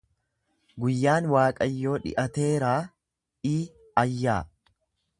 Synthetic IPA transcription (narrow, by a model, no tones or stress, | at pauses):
ɡʊjːaːnwaːkʼɐjːo̞ːᶑɪ̰ʔɐt̪e̞ːɾaː | iː | ɐjːaː